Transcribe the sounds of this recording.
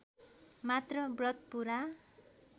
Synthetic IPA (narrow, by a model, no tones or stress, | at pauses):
mat̪rʌbrʌt̪̚puɾa